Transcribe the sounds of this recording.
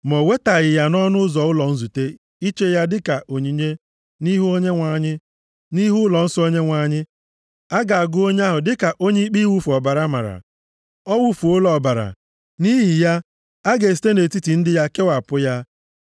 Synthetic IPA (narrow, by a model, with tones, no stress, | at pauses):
mɔ˨we˦ta˨ɣɪ˨ja˦nɔ˦nʊ˦zɔ˨ʊ˦lɔ˨n̩˦zu˨te˦ | i˦t͡ʃe˦ja˦dɪ˦ka˨ʔo˨ɲi˨ɲe˦ | ni˦ɦu˦o˦ɲe˦ŋʷa˨ɲɪ˦ | ni˦ɦu˦lɔ˨n̩˦sɔ˦o˦ɲe˦ŋʷa˨ɲɪ˦ | a˦ɡa˨a˨ɡʊ˦o˦ɲ˦a˦ɦʊ˨dɪ˦ka˨ʔo˦ɲe˦i˦k͡pi˦wu˦fu˨ɔ˨ba˨ɾa˦ma̰˨ɾa̰˨ | ɔ˦wu˦fu˨ʊ˦lɔ˨ba˨ɾa̰˨ | ni˦ɦi˨ja˦ | a˦ɡe˨si̥˨te˦ne˨ti˦ti˨n̩˦dɪ˦ja˦ke˦wa˨pʊ˦ja˦